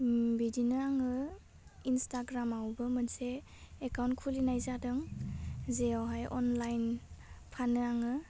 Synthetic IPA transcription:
bidinɯaŋɯ | instaɡɾamawbɯmɯnseː | kawnkʰulinajzadɯŋ | zeawɦajʔɔnlajnpʰanɯaŋɯ

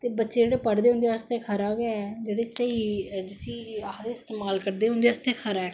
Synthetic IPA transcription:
t̪eːbətːʃeːd͡ʒeːɽeːpəɽd̪eːɦʊ̃nd̪est̪eːkʰəɾaːɡjaɛd͡ʒeːɽeːst̪eːiːd͡ʒɪsĩːad̪eːɪst̪eːmaːlkəɾd̪eːʊ̃nd̪eːst̪eːkʰəɾaːɛː

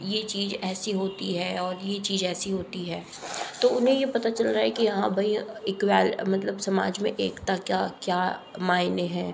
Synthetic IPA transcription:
jet͡ʃiːzɛːsiɦoːt̪iɦɛːɔːɾjet͡ʃiːzɛːsiɦoːt̪iɦɛː | t̪oːʊnɦẽjepɐt̪at͡ʃɐlɾaːɦɛkijɐɦãbʱɐiɪkwaːlmɐt̪ləbsɐma̰ːd͡ʒmẽʔeːkt̪akjaːkjaːmaːɪneɦɛ̃ː

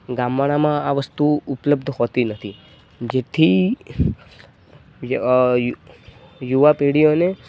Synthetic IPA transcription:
ɡamʋaɽ̃amãaʋəst̪uʊpləbd̪ʱɦɔt̪inət̪ʰi | d͡ʒet̪ʰi | juʋapeɽijone

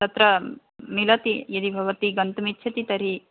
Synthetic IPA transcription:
t̪ɐt̪ɾɐ | milɐt̪ijɐd̪ibʱɐʋɐt̪iɡɐnt̪umitːʃʰɐt̪it̪ɐɾi

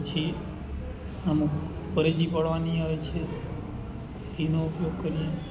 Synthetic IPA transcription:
t͡ʃʰi | əmukpəɾed͡ʒipəɭʋaniaʋet͡ʃʰe | t̪inoupjoɡ̚kəɾijẽ

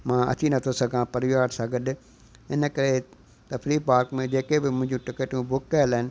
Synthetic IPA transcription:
mãːʔɐ̰t̪ʰinɐt̪ʰosɐɡʱãpɐɾʋijaːɽsãːɡɐɗ | ɪnə̆kɐɾe | t̪ɐfɾiːpaːɾkmẽd͡ʑeːkebɪmʊ̃ɦɪ̃ɲd͡ʑũʈɪkeːʈũbʊkːɐjəlaːɪnɪ̆

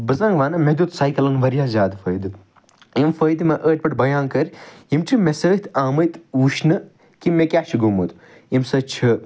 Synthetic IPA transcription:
bɐzãːŋɡʋaːnɐmed̪ut̪saːjkɐlɐŋʋɐɾijaːzʲaːd̪fəːjd̪ɨ | imfəːjd̪mɐʔəːʈ̚ʲpɐʈbɐjaːnkɐɾʲjimʈʰimesəːt̪ʰaːmɐjt̪ʋuʃnɨ | kimːekʲaːʃʰiɡumut̪u | imsɐt͡ʃʰɨ

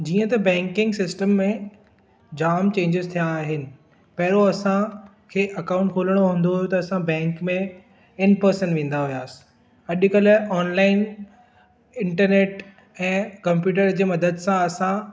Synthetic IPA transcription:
d͡ʑiːə̃t̪ɐbɛ̃ːŋkɪ̃ŋɡsɪsʈəmːẽ | d͡ʑaːmt͡ɕẽːɲd͡ʑɪzt̪ʰijaːɦɪnɪ̆ | pɐɦɪɾoɐsã | kʰeːʔɐkaːʊ̃ɳʈ̚kʰoːləɽ̃oɦũːnd̪oɦʊjot̪ɐɐsãbɛ̃ːŋkmẽ | ɪnpɐɾsənʋẽːn̆d̪aɦijaːsɪ̥ | ɐɗkɐlɔːnlaːɪn | ɪ̃ɳʈəɾneːʈ | ɛ̃ːkɐ̃mpjuːʈ̬əɾd͡ʑeːmɐd̪əd̪sãɐsã

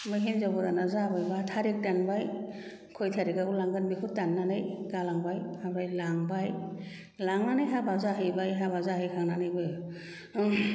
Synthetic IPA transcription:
mɯjɦenzabɔɾanazabajbatʰaɾek̚tanbaj | kʰɔjtʰaɾiɡaɡulaŋɡɯnbikʰutːanːanɯjɡalaŋbajabɾajlaŋbaj | laŋnanɯjɦabazaɦɯjbajɦabazaɦɯjkʰaŋnanɯjbɯj

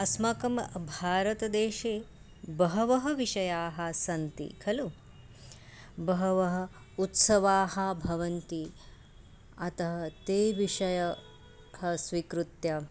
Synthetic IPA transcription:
ɐsmɐkɐmbʱaːɾɐt̪ɐd̪eːʃeː | bɐɦɐʋɐɦɐʋiʂɐjaːɦɐsɐnt̪ḭkʰɐlu | bɐɦɐʋɐɦɐ̆ | ut̪sɐʋaːɦɐbʱɐʋɐnt̪i | ɐt̪ɐɦɐt̪eːʋiʂɐjɐ | hɐsʋikɾut̪jɐ

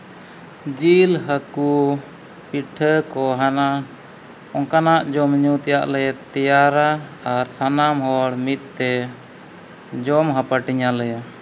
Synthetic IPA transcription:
d͡ʒilɦəku | piʈʰəkɔɦana | ɔŋkanaʔd͡ʒɔmɲut̪ɛjaʔlɛɛt̪ɛjaɾa | aɾsanamɦɔɽmit̪̚t̪ɛ | d͡ʒɔmɦapaʈiɲalɛja

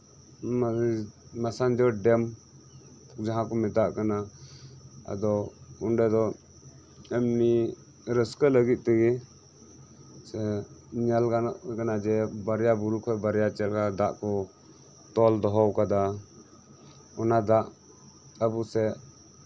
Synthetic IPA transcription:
m | masand͡ʒɔɖɛm | d͡ʒaɦãkɔmɛt̪aʔkana | a̰d̪ɔunɖɛd̪ɔ | ɛmni | ɾəskələɡit̪̚ˀt̪əɡi | sɛɲalkanʔkanad͡ʒɛbaɾjabuɾukʰɔbaɾjat͡ʃɛlkad̪aʔkɔ | t̪ɔld̪ɔɦɔwkad̪a | ɔnad̪aʔ | abusɛ

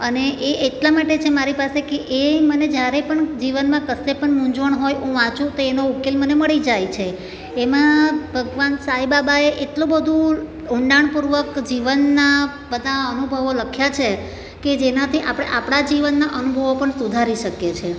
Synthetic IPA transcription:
əneʔeːʈlamaʈet͡ʃʰemaɾipasekeʔeməned͡ʒjaɾepəɳd͡ʒiʋənmãkəsepəɳmũɲd͡ʒʋəɳɦojũʋãt͡ʃũt̪oenoukːelməneməɭid͡ʒajt͡ʃʰeː | mãbʱəɡʋansaɦibabaeʔeʈlõbəd̪ʱũ | ũɳɖaɳpuɾʋəkd͡ʒiʋənːa | bəd̪ʱaənubʱəʋoləkʰjat͡ʃʰe | ked͡ʒenat̪ʰiʔa̰pɽ̃eʔapɽ̃ad͡ʒiʋənːaʔənubʱəʋopəɳsud̪ʱaɾiʃəkjet͡ʃʰe

